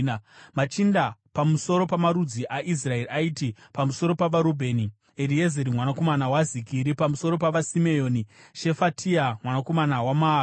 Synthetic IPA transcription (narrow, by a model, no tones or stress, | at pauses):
mat͡ʃindapamuso̞ɾo̞pamaɾud͡ziʔaʔis̬rae̞ɾiaitipamuso̞ɾo̞paʋaɾobʱe̞ːni | eɾiezeɾimwanako̞manawazikiɾipamuso̞ɾo̞paʋasime̞jo̞ːniʃe̞fatʰiamwanako̞manawama